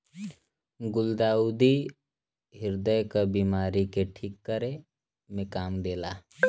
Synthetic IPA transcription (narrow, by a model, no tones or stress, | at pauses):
ɡʊld̪aːud̪i | ɦɪɾd̪əjkəbiːmaːɾikeʈʰiːkːəɾe | mẽkaːmd̪eːlaː